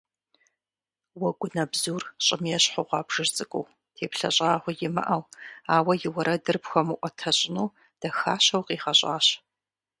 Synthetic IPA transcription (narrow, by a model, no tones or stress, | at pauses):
wɐɡʷʊnɐbzuːrɕʼɪmjɛɕħʊʁʷɑːbʐ̥ɨrt͡sʼɨkʷʼow | tʰeːpɬɐɕʼaːʁʷʊjɪmɐ̰ʔɐwaːwɐjɪwɐɾɐdɨrpxʷɐmɨʔʷɔtʰɐɕʼɪnuː | d̥ɐxaːɕɐwqiːχɐɕʼa̰ːɕ